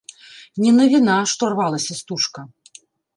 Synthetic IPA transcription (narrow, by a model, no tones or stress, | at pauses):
nʲɛnɐvʲinaʂt̪ɔrvalˠɐsʲɐst̪uʂkɐ